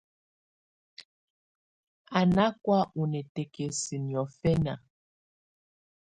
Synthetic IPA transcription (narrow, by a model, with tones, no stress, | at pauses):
a˨na˦kwa˦ʔu˨nɛ˨te˨ke˨si˨njɔ˨fɛ˦na̰˨